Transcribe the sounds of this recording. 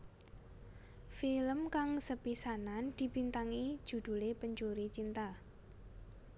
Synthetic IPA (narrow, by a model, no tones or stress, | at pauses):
filəmkaŋsəpisanand̪̥i̤b̥int̪aŋi̥ʒ̥ṳd̪̥ṳlepəɲt͡ʃuɾit͡ʃint̪a